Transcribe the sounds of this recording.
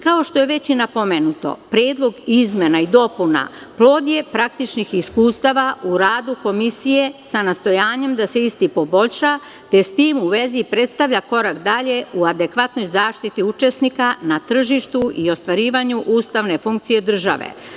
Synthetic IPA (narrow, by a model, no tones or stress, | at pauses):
kao̞ʃt̪o̞je̞ʋe̞t͡ɕinapo̞me̞nut̪o̞̰pɾeːd̪lˠo̞ɡizme̞naid̪o̞puna̰plˠo̞ːd̪je̞pɾak̚t̪it͡ʃnixiskuːst̪aʋaʔuɾaːd̪uko̞misije̞sanast̪o̞jaːɲe̞md̪ase̞ist̪ipo̞bo̞ʎʲʃa | t̪e̞st̪iːmuʋe̞zipɾe̞t̪st̪aʋʎako̞ɾakd̪aʎe̞uad̪e̞kʋat̪no̞jzaːʃt̪it̪iut͡ʃe̞snikanat̪r̩ʒiʃt̪uʔio̞st̪ʋaɾiːʋaɲuʔuːst̪aʋne̞fuŋk̚t̪sije̞d̪r̩ʒa̰ʋḛ